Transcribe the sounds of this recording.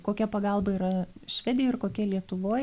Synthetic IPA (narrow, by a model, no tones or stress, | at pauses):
koːkʲɛpɐɡɐlˠbɐiːɾɐʃʲʋʲæːd̪ʲɪjoːɪrkoːkʲɛlʲiɛt̪ʊʋoː